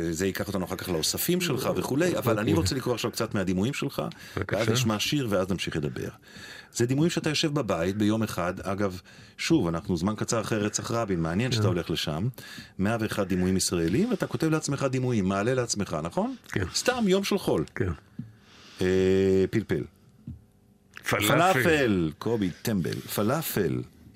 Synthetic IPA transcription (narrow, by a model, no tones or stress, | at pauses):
zeikaχot̪anuaχalkaχlaosafimʃe̞lχaveχule̞javalaniʁot͡selikʁoaχʃavkt͡sat̪mead̪imujimʃe̞lχa̰ | veazniʃmaʃiʁveaznamʃiχle̞d̪abḛʁ | z̥ed̪imujimʃeat̪ajo̞ʃe̞vbabajit̪̚be̞jo̞me̞χad̪aɡav | ʃuvanaχnuzmankat͡saʁaχeʁːet͡saχʁabinmeanjenʃeat̪ao̞le̞χle̞ʃa̰mːeaveːχad̪̚ːimujimisʁaelimveat̪ako̞te̞vleat͡smeχad̪imujimːaːle̞leat͡sme̞χanaχo̞nkst̪amjo̞mʃelχo̞lkn | epilpḛl | ffalafelkʰobit̪embḛlfalafel